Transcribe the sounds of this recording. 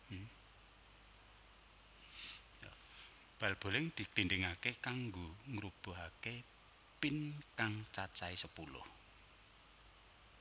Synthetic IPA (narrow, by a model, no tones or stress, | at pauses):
j | b̥a̤lb̥o̤lɪŋd̪̥i̤klinɖɪŋakekaŋɡoŋɾub̥o̤ɦake | pinkaŋt͡ʃat͡ʃaisəpulʊ̰h